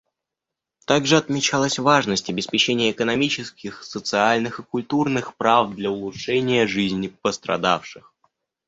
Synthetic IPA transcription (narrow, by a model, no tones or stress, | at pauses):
t̪aɡʐɨɐt̪mʲɪt͡ɕalˠəsʲvaʐnəsʲtʲɐbʲɪspʲɪt͡ɕenʲɪjəːkənɐmʲit͡ɕɪskʲɪxsət̪sɨalʲnɨxɨkʊlʲt̪urnɨxpɾavd̪lʲɐʊlˠʊtʂɛnʲɪjəʐɨzʲnʲɪpəst̪ɾɐ̰d̪afʂɨx